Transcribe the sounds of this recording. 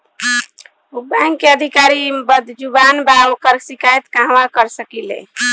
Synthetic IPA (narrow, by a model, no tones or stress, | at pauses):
ubaŋkeəd̪ʱikaɾibəd̪ʱd͡ʒubanbaokəɾsikajt̪kãɦʋakəɾsəkilḛ